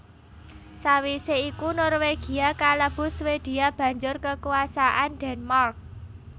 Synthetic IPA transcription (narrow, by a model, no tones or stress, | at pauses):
sawiseikunɔrweɡ̥i̤akaləb̥ʊ̤swed̪̥i̤ab̥ä̤ɲd͡ʒʊrkəkuasaʔand̪̥ɛ̤nmark̚